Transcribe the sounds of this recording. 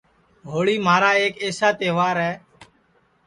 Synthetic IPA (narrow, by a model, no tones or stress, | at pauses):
ɦoːɭiːmaːɾaːeːkeːsaːt̪eːʋaːɾɦɛː